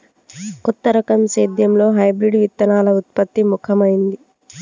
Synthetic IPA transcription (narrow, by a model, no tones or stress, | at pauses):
kɔt̪ːɐɾɐkɐmseːd̪jɐmlo̞ːɦɐjbɾiɖʋit̪ːɐnaːlɐut̪̚pɐt̪ːimukʰɐmɐjind̪i